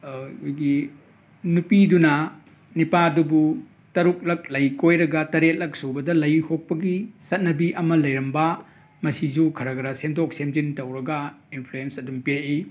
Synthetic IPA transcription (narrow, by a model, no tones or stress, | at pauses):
kʰojɡi | nupidunɐ | nipadubu | tɐɾuk̚lɐk̚lɐjkojɾɐɡɐtɐɾet̚lɐk̚subɐdɐlɐjhok̚pɐɡisɐt̚nɐbiʔɐmɐlɐjɾɐmbɐ | mɐsizukʰɐɾɐɡɐɾɐsemdok̚semzintɐwɾɐɡɐinpʰluensɐdumpiɾei